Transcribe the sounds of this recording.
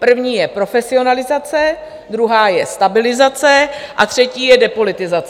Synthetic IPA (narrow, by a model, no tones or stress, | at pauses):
pr̩vɲiːjɛpɾo̞fɛsɪo̞nalɪzat͡sɛ | d̪ɾuɦaːjɛ̰st̪abɪlɪzat͡sɛʔat̪r̝̥ɛciːjɛdɛpo̞lɪt̪ɪzat͡s